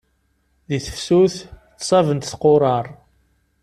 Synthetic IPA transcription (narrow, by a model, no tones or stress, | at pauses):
ðiθə̥fsuθtːsˤɑvənt̪θqoɾˤɑɾˤ